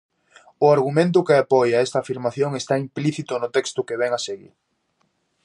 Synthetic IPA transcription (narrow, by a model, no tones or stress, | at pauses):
ʊaɾɣumẽnt̪̬ʊkɪapɔjaɛst̪ɐaːfiɾmaθjoŋest̪aimpliθit̪ʊnʊt̪ɛkst̪ʊkeβ̞ɛŋaseɣḭɾ